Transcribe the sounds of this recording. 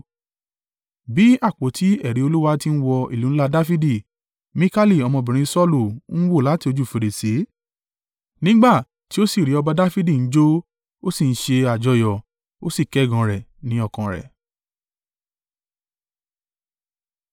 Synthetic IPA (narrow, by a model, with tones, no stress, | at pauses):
bi˨˦a˦˨k͡po˨˦tʰi˨˦ɛ˦˨ɾi˨˦o˧lu˦wa˦ti˦n̩˦wɔ˧ḭ˦˨lũ˨˦la˦˧da˦fi˦di˦˨ | mĩ˦ka˦li˦˨ɔ˧mɔ̃˧˨bĩ˨ɾ̃ĩ˧sɔ˦lu˦˨ñ̩˦wo˦˨la˨˦ti˦˧o˧d͡ʒu˦˨fe˧ɾe˨si˨˦ | nĩ˦ɡ͡ba˦˨ | ti˦o˦si˦˨ɾi˨˦ɔ˧ba˧da˦fi˦di˦˨n̩˨˦d͡ʒo˦ | o˦si˦˨n̩˦ʃe˧a˨d͡ʒɔ˧jɔ˨ | o˦si˦˨kɛ˨˦˨ɡã˧ɾɛ˨nĩ˨˦ɔ˦˨kã˨ɾɛ̰˨